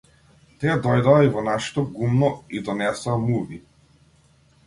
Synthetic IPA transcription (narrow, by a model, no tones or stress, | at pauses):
t̪iad̪ɔjd̪aːivɔnaʃɛ̥t̪ɔɡumnɔid̪ɔnɛsoːmuvi